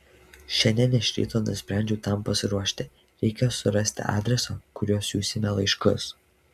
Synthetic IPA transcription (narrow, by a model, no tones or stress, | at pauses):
ʃʲɛnʲd̪ʲɛnʲɪʃʲɾʲḭːt̪oːnʊsʲpʲɾʲæˑnʲd͡ʒʲɛt̪ɑmpɐsʲɪɾuɔʃʲt̪ʲɪ | ɾʲɛɪkʲɛjoːsʊɾɐsʲt̪ʲɪ̰ʔɑ̰ːd̪ʲɾʲɛsokʊɾʲuːsʲuːsʲɪmʲɛlˠɐɪʃkʊ̰s